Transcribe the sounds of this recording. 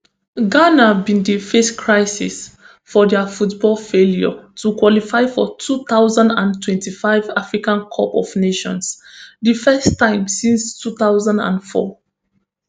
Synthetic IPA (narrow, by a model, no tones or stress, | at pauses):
ɡanabĩndifɛskʰɹaɪsḭs | fɔdɛfutbɔlfeljɔ̰tʰukwɔlifaɪfɔtʰuθaʊzãndãntʰwɛ̃ntifaɪvafɹikãnkʰɔpɔ̰vneʃɔ̰̃ns | difɛstãɪ̃msĩnstuθaʊzãndã̰nfɔ̰